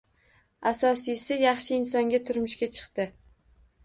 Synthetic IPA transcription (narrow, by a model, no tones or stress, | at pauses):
asɒsɪjsɪjɑχʃɪɪnsɒŋɡʲat̪ʰʊɾmɪʃkʲat͡ʃʰɨ̥qt̪ɪ